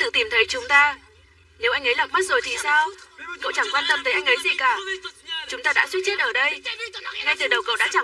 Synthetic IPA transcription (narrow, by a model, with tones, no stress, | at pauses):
t̪ɨ̰˧˨t̪i˨˩mt̪ʰə˨˦jt͡ɕʊ˨˦ŋ͡mt̪aː˧ | ne˨˦wʔa˧jŋ̟ʔə˨˦laː˨˩mə˦˥t̚zo˨˩jt̪ʰi˨˩saː˧wko̰˧˨wt͡ɕa˧˩ŋkwaː˧nt̪ə˧mt̪ə˨˦jʔa˧jŋ̟ʔə˨˦jzḭ˧˨˩kaː˧˩t͡ɕʊ˨˦ŋ͡mt̪aː˧ɗa̰ː˧˥swt̚t͡ɕi˦˥t̚ʔəː˧˩ɗə˧jŋa˧jt̪ɨ˨˩ɗə˨˩wkə̰˧˨wɗa̰ː˧˥t͡ɕa˧˩